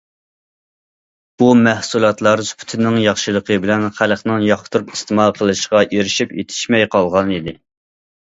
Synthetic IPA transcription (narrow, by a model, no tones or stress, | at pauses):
b̥umæhsulˠɑt̪lˠɑɾspʰy̥t̪ʰɪnːɪŋjɑχʃɨlˠəqʰəbɪlɛnχælχnɪŋjɑχt̪ʰuɾupist̪ɨmɑqʰəlˠɨʃʁɑʔeɾɪʃipjḛt̪ʰɪ̥ʃmɛjqʰɑlˠʁɑnɨd̪ɪ